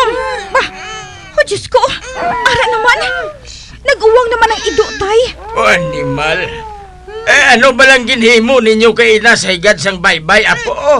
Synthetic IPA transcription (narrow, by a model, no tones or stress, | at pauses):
ba | hod͡ʒaskoʔaːɾaʔnɐman | nɐɡʔuwaŋnɐmanɐŋɪd̪oʔt̪ajoʔanɪmal | ʔɛanobalaŋɡɪnhiːmoʔniɲjokajinasahiɡad̪̚s̬aŋbajbajapoʔo